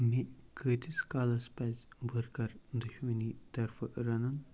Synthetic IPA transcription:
mekəːt̪ʰiskaːlɐspɐzʲbʱɐɾkɐɾd̪uʃmənit̪ɐɾfʰɐɾɐnɐn

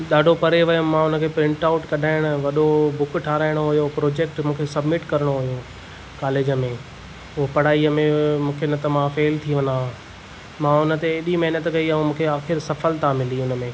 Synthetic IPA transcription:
ɗaːɖʱopɐɾeʋɐjʊ̃mãʊnə̆kʰeːpɾɪ̃ɳʈaːʊʈkɐɗʱaːɪɽ̃ʊʋɐɗobʱʊkʈʰaːɾaːɪɽ̃oɦʊjopɾoːd͡ʑeːk̚ʈmũːkʰesɐbmɪʈkɐɾəɽ̃oɦʊjũ | kaːleːd͡ʑəmẽ | ʊɦopɐɽaːiəmẽmũːkʰenət̪ɐmãfeːlt̪ʰiʋɐ̃nd̪ã | mãːʊnə̆t̪eɗimɐɦinət̪kɐiɐũmũːkʰeaːxɪɾsɐfəlt̪ʰamɪliʊnə̆mẽ

